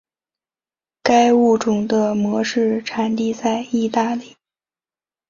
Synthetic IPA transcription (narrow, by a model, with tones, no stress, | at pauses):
ka˥ɪu˥˩ʈ͡ʂʊ˨˩ŋd̪ə˦mwɔ˧˥ʂɻ̩˥˩ʈ͡ʂʰa˨˩nt̪i˥˧t͡sa˥˧ɪi˥˧t̪a˥˧li˥˩